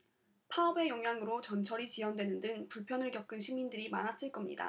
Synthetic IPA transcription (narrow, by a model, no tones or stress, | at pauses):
pʰaʌbe̞joŋɦjaŋɯɾot͡ɕʌnt͡ɕʰʌɾit͡ɕiɦʌndwe̞nɯndɯŋpuɭpʰjʌnɯɭkjʌp̚k͈ɯnɕʰimindɯɾima̰nas͈iɭk͈ʌmɲḭda̰